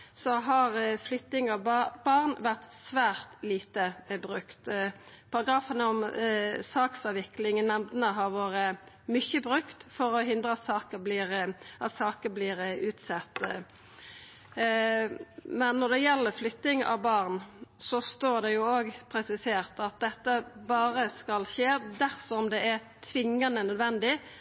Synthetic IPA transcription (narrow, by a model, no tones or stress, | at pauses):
sɔɦɑɾflʏt̪ːɪŋɑʋbɑʁnʋæʁt̪sʋæːʁt̪liːt̪əbɾʉkt̪pʰɑʁɑɡɾɑːfənəɔmsɑːksɑːʋɪklɪŋnɛmd̪nəɦɑɾʋoːɾə | mʏçəbʁʉkt̪fɔɾɔɦɪnd̪ʁəɑt̪sɑːkəbliɾʔɑt̪sɑːkəblɪːɾʉːt̪sɛt̪ː | mɛnːɔd̪ɛjɛlːəɾflʏt̪ɪŋɑ̰ʋbɑʁnsɔst̪oːɾd̪ɛjʊoːɡpʰɾɛsɪseːɾt̪ɑt̪̚d̪ɛt̪ːəbɑːɾəskɑlʃeːd̪æɾsɔɔmd̪ɛʔæɾ | t̪ʰʋɪŋːənənœd̪ʋɛnd̪ɪ